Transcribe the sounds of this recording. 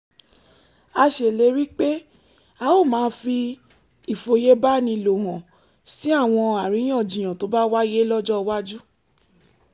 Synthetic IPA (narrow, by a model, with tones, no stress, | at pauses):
a˧ʃe˨le˨˦ɾi˦k͡pe˦ | a˧˦o˦˨mãː˨˦fi˧ | i˨fo˧je˦ba˦nĩ˧˨lo˨ɦã˨ | si˦a˦˨w̃ɔ̃˧a˨ɾi˨˦j̃ɔ̃˦˨d͡ʒĩ˨j̃ã˨to˨˦ba˦wa˦je˦lɔ˦d͡ʒɔ˦˧wa˦d͡ʒu˦